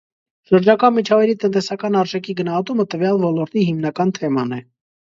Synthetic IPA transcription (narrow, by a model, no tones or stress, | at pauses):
ʃəɾd͡ʒɑkɑnmit͡ʃʰɑvɑjɾit̪ənt̪ɛsɑkɑnɑɾʒɛkʰiɡənɑhɑt̪umət̪əvjɑlvɔlɔɾt̪ihimnɑkɑnt̪ʰɛmɑnɛ